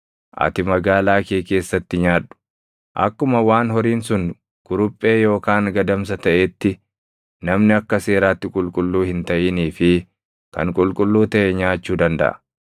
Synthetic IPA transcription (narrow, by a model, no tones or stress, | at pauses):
ʔɐ̰t̪ɪmɐɡaːlaːkeːke̞ːsːɐt̪ːɪɲaːᶑʊ̥ | ʔɐ̰kːʊmɐwaːnhɔɾiːnsʊŋ | ɡ̥ʊɾʊpʼːe̞ːjo̞ːkaːŋɡɐd̪ɐms̬ɐt̪ɐʔeːt̪ːɪ | nɐmnɪɐkːɐse̞ːɾaːt̪ːɪkʼʊlkʼʊlːuːhɪnt̪ɐʔiːniːfɪ | kɐ̰ŋkʼʊlkʼʊlːuːt̪ɐʔɛɲaːt͡ʃːuːd̪ɐnd̪ɐ̰ʔɐ̰̥